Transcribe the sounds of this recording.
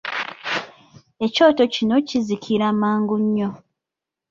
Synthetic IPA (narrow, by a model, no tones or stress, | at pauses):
e̞co̞ːto̞cino̞cizikʰiɾamaːŋɡuɲːo̞